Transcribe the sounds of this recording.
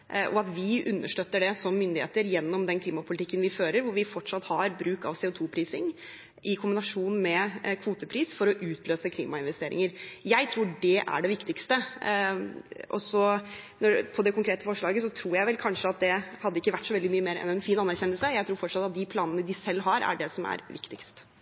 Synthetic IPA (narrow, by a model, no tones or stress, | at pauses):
ʔɔɑt̪ʋɪʔʉnːə̰ʂʈøːt̪ːəɖɛsɔmːʏnd̪ɪḛːt̪əɾjɛnːɔmd̪ɛnkʰliːmɑpʰʊlɪt̪ʰɪkːənʋɪføːɾəɾʋʊɾʋɪfɔʈːʂɑt̪ːhɑɾbɾʉːkɑ̰ʋseːʊt̪ʰuːpʰɾiːsɪŋ | ʔɪkʰʊmbɪnɑʂuːnmɛkʰʋuːt̪əpʰɾiːsfɔɾɔʔʉːt̪løːsəkʰlḭːmɑɪnʋɛst̪eːɾɪ̰ŋəɾjæɪt̪ʰɾuːɖɛʔæ̰ɖɛʋɪkt̪ɪkst̪ə | ʔɔ̰sɔnɔpʰɔd̪ɛkʰʊŋkʰɾeːt̪əfɔʂɭɑːɡəsɔt̪ʰɾuːɾjæɪʋɛlkʰɑnʂəɑt̪̚d̪ɛhɑd̪əɪkːəʋæʈːsɔʋɛld̪ɪmyːəmeːɾɛ̰ɛnfiːnɑnːæɾçɛnːəlsəjæɪt̪ʰɾuːɾfɔʈʂɑt̪ːɑt̪̚d̪ɪpʰlɑːnənəd̪ɪsɛlːɦɑɾæ̰ɖɛsɔmæ̰ɾʋɪ̰kt̪ɪkst̪